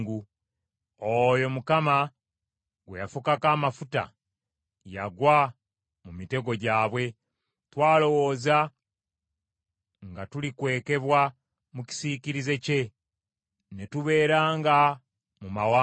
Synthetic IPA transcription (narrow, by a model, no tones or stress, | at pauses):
ɡu | ojo̞mukama | ɡwejafukakaːmafuta̰ | ja̰ɡwa | mumite̞ɡo̞ɟaːβwe̞ | twaːlo̞wo̞ːza | ŋɡatulikwe̞ːke̞βwa | muci̥siːciɾize̞ce̞ | netuβe̞ːɾaːŋɡa | mumawa